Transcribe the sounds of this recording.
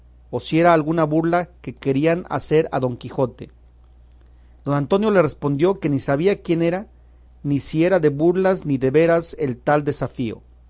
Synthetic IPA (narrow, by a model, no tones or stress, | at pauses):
o̞sie̞ɾaːlɣunaβuɾlake̞ke̞ɾiana̰se̞ɾa̰ðo̞ŋkixo̞t̪e̞̰ | d̪o̞nant̪o̞njo̞le̞re̞spo̞nd̪jo̞ke̞nisaβ̞iakje̞ne̞ɾa | nisie̞ɾaðe̞βuɾlazniðe̞βe̞ɾase̞lt̪ald̪e̞safio̞̰